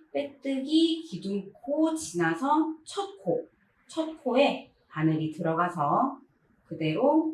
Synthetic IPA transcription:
p͈et͈ɯɡikiduŋkʰot͡ɕinasʰʌt͡ɕʰʌt̚kʰo | t͡ɕʰʌt̚kʰoe̞ | anɯɾitɯɾʌɣasʰʌ | kɯde̞ɾo

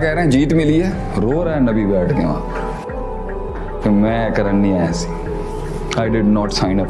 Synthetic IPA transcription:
kɛːɾeɛ̃ːd͡ʒiːt̪mɪliɛː | ɾoːɾaːnəbiːbɛːʈʰd̪ḛːã̰ː | t̪eːmɛ̃ːkəɾənːĩːaːjãːsi̥ː | aːɪɖɪɖnɔːʈsãːɪ̃nəp

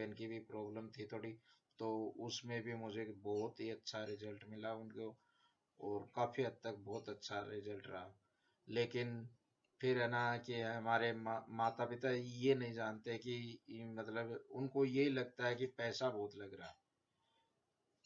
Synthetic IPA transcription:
ɪnkibʱipɾɔːbləmt̪ʰit̪ʰoːɽit̪oʊsmẽbʱimʊd͡ʒʱebɔːʊt̪ɦiɐtːʃʰaɾɪzəlʈmɪlaʊnko | ɔːɾkaːfʰiɦɐd̪̚t̪ɐk̚bɔːt̪ɐtːʃʰaɾɪzəlʈɾɐ̰ɦa | leːkɪn | pʰɪɾɛnaɦɛkiɦɐmaːɾemamaːt̪apɪt̪ajenɐɦĩd͡ʒaːnt̪eɦɛ̃kimɐt̪ləbʊnkojeɦilɐɡ̚t̪aɦɛkipɛːsabɔːt̪lɐɡɾaaɛ

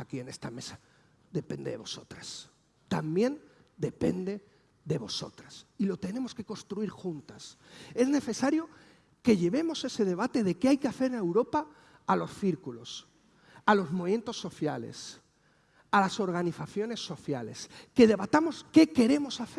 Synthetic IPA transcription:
akie̞ne̞st̪ame̞sḁ | ðe̞pe̞̰nd̪eðeβo̞so̞t̪ɾas | t̪ambje̞n | d̪e̞pe̞̰nd̪e̞ | ðe̞βo̞so̞̰t̪ɾasilo̞t̪e̞nẽ̞mo̞ske̞ko̞nst̪ɾuiɾxunt̪ase̞zne̞θe̞saɾjo̞ | ke̞ʝe̞βe̞mo̞se̞se̞ðe̞β̞at̪e̞ðe̞keajkeaθe̞ɾene̞wɾo̞paː | lo̞sθiɾkulo̞s | alo̞zmo̞βie̞nt̪o̞sːo̞θjale̞̰s | alaso̞ɾɣ̞aniθaθjo̞ne̞sːo̞θjale̞ske̞ðe̞βat̪amo̞ske̞ke̞ɾe̞mo̞saθe

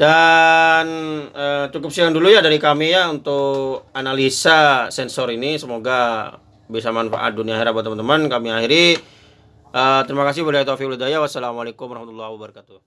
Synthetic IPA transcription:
da | nət͡ʃukʊp̚siaŋdulujadaɾikamijaunt̪ʊkanalisasɛnsɔɾinisəmoɡa | bis̬amanfa̰ʔa̰t̪̚duniaɦiɾabat̪əmant̪əmankamiahiɾi | ət̪əɾimakas̬ɪbəlait̪ofiklud̪ajawasːalamalekʊmaɾahmat̪ulːahwabəɾakat̪u

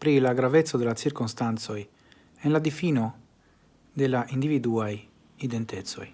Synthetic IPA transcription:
pɾilaɡɾavet̪sːod̪elat͡ʃ̪iɾkonst̪ant̪soj | enlad̪ifiːno | d̪elaʔind̪ivid̪uaj | id̪ent̪et̪so̰j

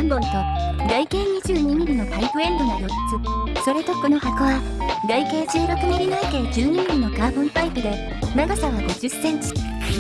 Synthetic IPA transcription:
ãmbõ̞nt̪o̞ | ɡaike̞ːɲ̟iʑɨːɲ̟iɲiɾɯno̞paipɯ̟ẽ̞nd̪o̞nojo̞t͡sɨ | so̞ɾe̞t̪o̞ko̞no̞hakoβaɡaike̞ːt͡ɕɨːɾo̞kɯ̟niɾʲinaik̪e̞ːd͡ʑɨːɲiɲ̟iɾɯno̞kaːbõnt̪aipɯd̪e̞ | naɡosaβaɡo̞d͡ʑɨsːẽ̞ɲ̟t͡ɕi̥

